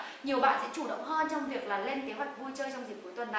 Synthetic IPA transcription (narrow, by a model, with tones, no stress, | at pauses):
ɲi˨˩əwɓa̰ː˧˨nsɛ̰˧˥t͡ɕu˧˩ɗə̰˧˨wŋ͡mhɔ˧t͡ɕɔ˧wŋ͡mvi˨˩ək̚laː˨˩le˧nke˨˦ɦwa˨˩jk̟̚vu˧jt͡ɕəː˧jt͡ɕɔ˧wŋ͡mzi̟˨˩ku˨˦jt̪wə˨˩nːa˨